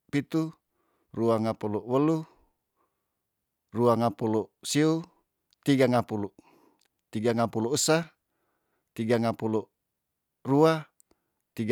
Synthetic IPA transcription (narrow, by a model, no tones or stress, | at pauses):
pit̪u | ruaŋapuluwəlu | ruaŋapulusiu | t̪iɡaŋapulu | t̪iɡaŋapuluusa | t̪iɡaŋapulu | rua | t̪iɡ